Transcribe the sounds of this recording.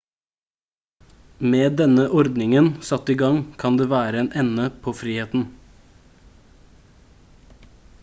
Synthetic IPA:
meːd̪ɛnəʔɔɾd̪nɪŋənsɑt̪iːɡɑŋkʰɑnd̪eːʋæːɾəeːnʔɛnəpʰoːfɾiːheːt̪n̩

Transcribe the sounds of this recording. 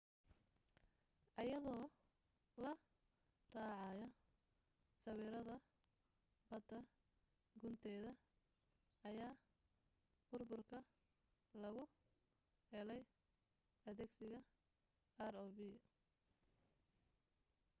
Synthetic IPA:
ʔɐjɐðɔː | lɐ | rɑːʕɑjɔ | sɐβiːɾɐðɐ | bɐd̪ɐ | ɡʊnt̪ʰɛːðɐ | ɐjaː | b̥ʊrbʊrkʰɐ | lɐɣʊ | hɛlɛj | ɐðɛːɡsɪɣɐ | arɔːbi

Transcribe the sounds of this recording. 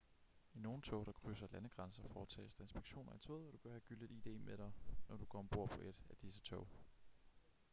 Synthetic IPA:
ino̝ːn̩t͡sʰɔʊ̰ɾ̥ɑ̈kʰʁysɐlænəɡ̥ʁɑ̈nsɐfɒːt͡sʰɛ̰ːesd̥ɐe̝nsb̥e̝ɡ̥ɕo̝̰ːnɐit͡sʰɔːðˠɒɾ̥ub̥ɶɐhæɡ̥yleiːd̥e̝̰ːmʔed̥ɑ̈ɪnɒɾ̥uɡ̥ɒmb̥o̝ɐ̰pʰɒ̽ʔe̝d̥æd̥isət͡sʰɔʊ̰

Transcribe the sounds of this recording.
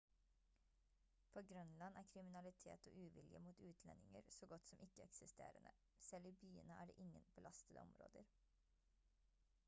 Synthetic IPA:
pʰoːɡɾœnlɑnæːkʰɾɪmɪnɑlɪt̪ʰḛːt̪oːʔʉːʋɪljəmuːt̪ʉːt̪ʰlɛnɪŋəɾsoːɡɔt̪sɔmʔɪkːəɛksɪst̪ḛːɾənə | sɛliːbyːənəæːɖḛːʔɪŋːənb̥əlɑst̪əd̪əɔmɾo̰ːd̪əɾ

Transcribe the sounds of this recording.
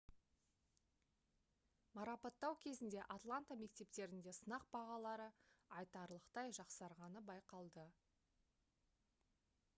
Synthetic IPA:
mɑɾɑpɑt̪ːɑwkʲʰe̞zɪnd̪e̞ʔat̪lˠant̪ame̞kt̪e̞p̚t̪e̞ɾɪnd̪e̞sənɑq̚b̥ɑʁɑlˠɑɾəɑjt̪ɑɾlˠəqt̪ɑjʒɑqsɑɾʁɑnəbɑjqɑlˠd̪ə

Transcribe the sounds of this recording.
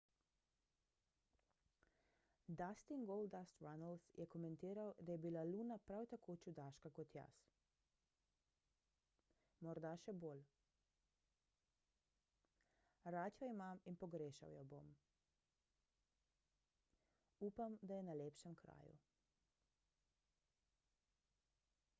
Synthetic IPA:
d̪ast̪iŋɡold̪ast̪ɾanalsjʔɛkɔmɛnt̪iːɾawd̪ajɛbilaluːnapɾawt̪akot͡ʃud̪aːʃkakɔt̪ja̰s | mɔɾd̪aʃɛboːl | ɾaːt̪jɔimaminpɔɡɾeːʃa̰wjɔbo̰m | uːpamd̪ajɛnaleːpʃɛmkɾa̰ːjṵ

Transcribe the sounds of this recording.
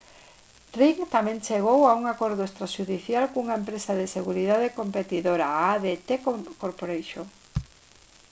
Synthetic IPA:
riŋt̪amẽnt͡ʃeɣowauŋakoɾðoest̪ɾaʃuðiθjalkuŋaempɾesaðeseɣuɾiðaðekompet̪iðoɾaaðet̪ekkoɾpoɾejʃo

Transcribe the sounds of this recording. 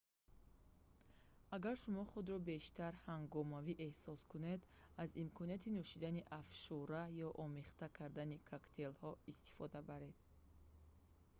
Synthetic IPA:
aɡaɾʃumɔχud̪ɾɔbe̞ʃt̪ʰaɾhaŋɡɔmaviʔehsɔskune̞d̪azimkʰɔniat̪ʰinuʃid̪aniʔafʃuɾajɔʔɔmeχt̪akʰaɾd̪anikʰakt̪ʰe̞lhɔist̪i̥fɔd̪abaɾe̞d̪̥̚

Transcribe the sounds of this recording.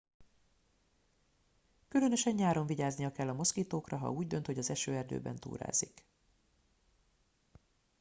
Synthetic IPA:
kylø̞nø̞ʃɛɲjaːɾo̞ɱviɟaːznijɒkɛlːɒmo̞skiːt̪oːkrɒɦɒ̰uːɟd̪ø̞nt̪ho̞ɟɒzɛʃøːɛrd̪ø̰ːbɛ̰nt̪ṵːɾa̰ːzik

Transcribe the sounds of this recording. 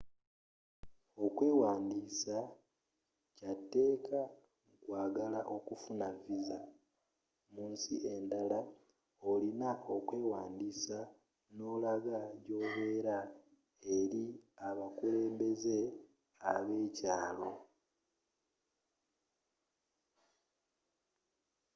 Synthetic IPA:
o̞kwe̞ːwaːndiːsa | catːe̞ːka | ŋkwaːɡalaʔo̞kufunaviza | muːnsḭʔe̞ndala | olinao̞kwe̞ːwaːndisa | no̞laɡaɟo̞βe̞ːɾa | e̞ɾiaβakule̞ːmbe̞ze̞ | aβe̞ːcaːlo̞

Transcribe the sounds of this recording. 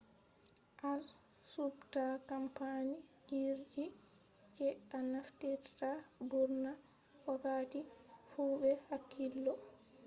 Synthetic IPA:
ʔal | subtakampani | iɾd͡ʒi | t͡ʃɛʔanaftiɾtabuɾna | wakatifuːbɛhakːilːɔ

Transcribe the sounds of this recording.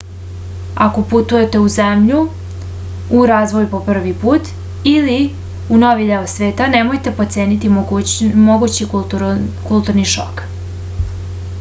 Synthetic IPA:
akoput̪uje̞t̪e̞uzemʎu | ɾaːzʋo̞jupo̞pr̩ʋipuːt̪ | ili | unoʋid̪eosʋe̞ːt̪anemo̞jt̪e̞po̞t̪se̞ːnit̪i | moɡut͡ɕi | kulˠt̪uɾniʃo̰k

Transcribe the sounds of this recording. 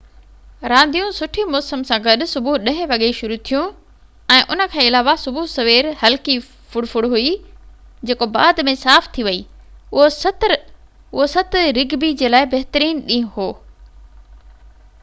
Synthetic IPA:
ɾãːnd̪ijũsʊʈʰimɔːsəmsãːɡɐɗʊ̆sʊbuɗɐ̃ɦɪ̃ʋɐɠeʃʊɾut̪ʰijũ | ɛ̃ːʔʊnə̆kʰãːɪlaːʋasʊbʱuɦsɐʋeːɾhɐlki | fʊɽfʊɽɦui | d͡ʑeːkobaːd̪mẽsaːft̪ʰiʋɐi | ʊɦosɐt̪ɾ | ʊɦosɐt̪ɾɪɡbid͡ʑeːlaːɪbɐɦt̪ɾiːnɗĩɦʊ̃ɦoː

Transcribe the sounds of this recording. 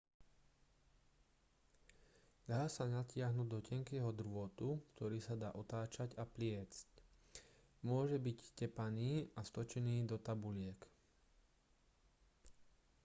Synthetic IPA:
d̪aːsaɲacɪaɦnuːɟd̪ɔcɛŋkɛːɦɔd̪r̩ʋʊɔt̪ukt̪ɔɾiːsad̪aːʔɔt̪aːt͡ʃacaplɪɛt͡sc | mʊɔʒɛbiccɛpaniːast̪ɔt͡ʃɛniːd̪ɔt̪abulɪɛk

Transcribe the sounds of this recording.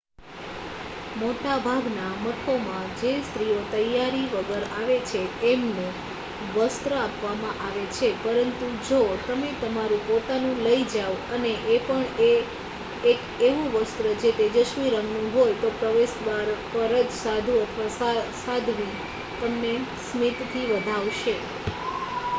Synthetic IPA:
moʈabʱaɡnaməkʰomãd͡ʒest̪ɾijot̪əjaɾiʋəɡəɾaʋet͡ʃʰeemne | ʋəst̪ɾəapʋamãʔaʋet͡ʃʰepəɾənt̪ud͡ʒot̪əmet̪əmaɾũpot̪anũləid͡ʒaʋəneʔepəɳeː | k | eʋũʋəst̪ɾəd͡ʒet̪ed͡ʒəʃʋiɾəŋɡnũɦojt̪opɾəʋesʋaɾpəɾəd͡ʒsad̪ʱũət̪ʰʋassad̪ʱʋi | t̪əmnesmit̪t̪ʰiʋəd̪ʱaʋʃe

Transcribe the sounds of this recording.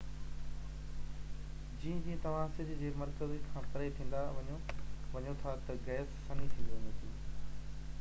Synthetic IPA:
d͡ʑĩːə̃d͡ʑiːə̃t̪ɐʋ̤ãsɪd̪ɪd͡ʑeːmɐɾkəzikʰãːpɐɾet̪ʰĩːn̆d̪aʋɐɲoʋɐɲot̪ʰat̪ɐɡɛːsːɐnit̪ʰiɐ̃nd̪ot̪iː

